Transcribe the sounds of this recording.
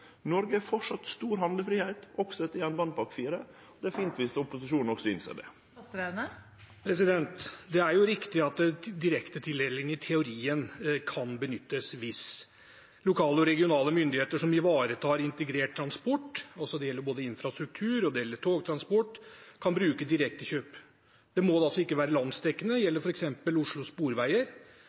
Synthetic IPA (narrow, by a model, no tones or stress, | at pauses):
nɔɾɡəæɾfɔʈʂɑt̪st̪uːɾhɑnd̪əfɾiːheɪt̪ɔɡsɔɛt̪ːɪjɛnbɑnpʰɑɾkfiːɾə | ɔd̪ɛæɾfiːnt̪ʋɪsʊpʊsɪʂuːnn̩ɔksɔɪnsḛːɖɛ̰ | ɾenə | pʰɾɛsɪd̪ɛnt̪d̪ɛæɾjʊɾɪkt̪ɪɑt̪̚d̪ɪɾɛkt̪ət̪ʰɪlɛlːɪŋɪt̪ʰɛʊɾiːənkʰɑnbənʏt̪ːəsʋɪs | lʊkʰɑːləɔɾɛɡɪʊnɑːləmʏnd̪ɪheːt̪əʂɔmɪʋɑːɾət̪ʰɑːɾɪnt̪əɡɾeːʈ̚t̪ʰɾɑnspɔʈːɔsɔd̪ɛjɛlːəɾboːd̪əɪnfɾɑst̪ɾʉk̚t̪ʰʉːɾɔd̪ɛjɛlːəʈʰoːɡt̪ʰɾɑnspɔʈːkʰɑnbɾʉːkəd̪ɪɾɛk̚t̪əɕøːp | d̪̥ɛmɔd̪ɛɑlsɔɪkːəʋæːɾəlɑnd̪sd̪ɛkːənəjɛlːəɾfɔɾɛksɛmpəlʊʂɭʊspuːɾʋæɪəɾ